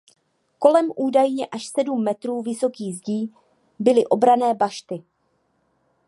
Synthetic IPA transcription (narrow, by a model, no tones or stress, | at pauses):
ko̞lɛmʔuːdajɲɛʔaʃsɛdumːɛt̪ɾuːvɪso̞kiːzɟiː | bɪlɪʔo̞bɾanɛːbaʃt̪ɪ